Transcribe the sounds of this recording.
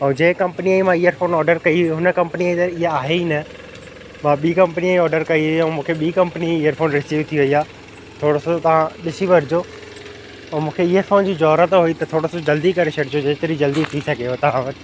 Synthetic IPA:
õːd͡ʑẽːkɐ̃mpniaimãijəɾfʰoːnɔːɾɖəɾkɐiɦiɦʊnəkɐ̃mpəniat̪ɐiɦaaːɦeinɐ | mãːɓiːkɐ̃mpəniaɔːɖəɾkɐiɦʊiɛ̃mũːkʰeɓiːkɐ̃mpəniːjəɾfʰoːnɾɪsiːʋt̪ʰiʋɐiaː | t̪ʰoːɽosot̪ɐʋ̤ãɗɪsiʋɐɾɪd͡ʑoː | ɛ̃ːmũːkʰeijəɾfʰoːnd͡ʑiːd͡ʑɔːɾət̪ɦʊit̪ɐt̪ʰoːɽosod͡ʑɐld̪ikɐɾesʰɐɽd͡ʑod͡ʑɐːɪt̪əɾid͡ʑɐld̪it̪ʰisɐɡʱeot̪ɐʋ̤ãʋɐt̪

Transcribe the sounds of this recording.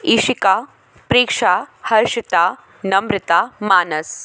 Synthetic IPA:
iʃika | pɾiːkʂaːhɐɾʃit̪aː | nɐmɾɪt̪amaːnɐs

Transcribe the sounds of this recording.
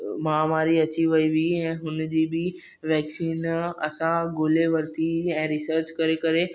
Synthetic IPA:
maːmaːɾiɐt͡ɕiʋɐiʋiɛ̃ːɦʊnd͡ʑiːbɪ | ʋɛːksiːnɐ̰sãɡʊleʋɐɾt̪iɛ̃ːɾɪsəɾt͡ɕkɐɾekɐɾe

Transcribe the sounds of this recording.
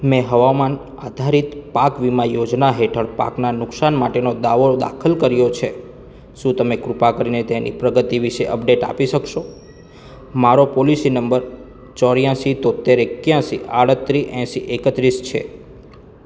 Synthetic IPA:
mɛ̃ɦəʋaman | ad̪ʱaɾit̪pakʋimãjod͡ʒnaɦeʈʰəɽpa̰knanʊksanmaʈenod̪aʋod̪a̰kʰəlkəɾijot͡ʃʰe | ʃũt̪əmekɾupakəɾinet̪enʔḭpɾəɡət̪iʋiʃeʔəp̚ɖeʈa̰piʃəkʃo | maɾopɔlisinəmbəɾ | t͡ʃɔɾjãsit̪ot̪ːeɾekjãsḭʔaɽət̪ːɾiʔɛ̃siʔekət̪ɾist͡ʃʰḛ

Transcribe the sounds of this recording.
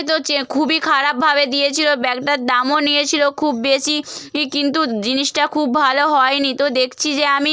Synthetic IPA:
t̪okʰubikʰaɾap̚bʱabed̪ijet͡ɕʰilobɛkʈaɾd̪amonijet͡ɕʰilokʰubːeʃikint̪ud͡ʑiniʃʈakʰubbʱaloɦɔenit̪od̪ekʰt͡ɕʰid͡ʑeami

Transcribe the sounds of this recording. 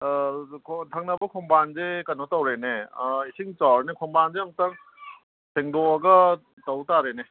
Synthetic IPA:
kʰtʰaŋk̚nɐbɐkʰɔmbanzekɐnotawɾeneisiŋt͡ʃaɾnekʰɔmbanzeɐmtɐŋ | seŋdɔɐɡɐ | tawtaɾene

